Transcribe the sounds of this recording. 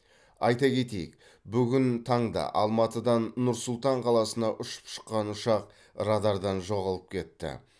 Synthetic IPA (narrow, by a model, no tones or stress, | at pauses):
ɑjt̪ɑkʲʰe̞t̪e̞jɪ̰k̚ | bʏɡʲɪnt̪ʰɑɴd̪ɑ̰ʔɑlˠmɑt̪əd̪ɑnːʊɾsʊlˠt̪ɑɴqʰɑlˠɑsənɑʔʏʃə̥pʃə̥qːɑnʊʃɑq̚ | ɾɑd̪ɑɾd̪ɑnʒo̞ʁɑlˠəp̚kʲʰe̞t̪ːɪ̰